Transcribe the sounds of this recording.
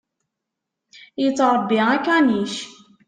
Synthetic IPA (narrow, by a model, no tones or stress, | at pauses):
jət͡sːɾˤbːiækæniʃ